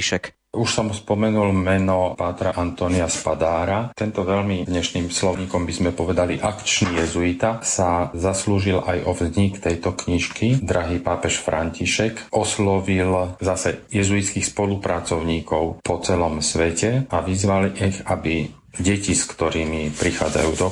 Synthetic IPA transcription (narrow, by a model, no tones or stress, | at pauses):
ʃɛk | uʃsɔmuspɔmɛnulmɛnɔpaːt̪ɾaʔant̪ɔːniaspad̪aːɾat̪ɛnt̪ɔʋɛlmid̪ɲɛʃniːmslɔɲiːkɔmbizmɛpɔʋɛd̪aliʔakt͡ʃnijɛzuit̪asazasluːʒilʔajʔɔvzɲikt̪ɛjt̪ɔkɲiʃkid̪ɾaɦiːpaːpɛʃfɾaɲciʃɛkʔɔslɔʋilzasɛjɛzuit̪t͡skixspɔlupɾat͡sɔʊɲiːkɔʊpɔt͡sɛlɔmsʋɛcɛaʋizʋalixabi | ɟɛciskt̪ɔɾiːmipɾixaːd͡za̰jṵːd̪ɔ